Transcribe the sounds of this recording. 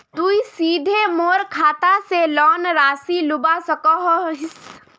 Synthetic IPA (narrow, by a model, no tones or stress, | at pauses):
t̪uisiːd̪ʱemoːɾkʰaːt̪aselɔːnɾaːsilʊbasəkɔɦɦɪs